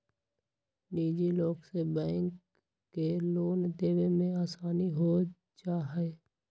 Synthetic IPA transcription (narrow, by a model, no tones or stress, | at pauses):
niːd͡ʒiloːɡsebɛ̃ːŋkː | eloːnd̪eːwemẽaːsaːniɦo | t͡ʃaːɦeː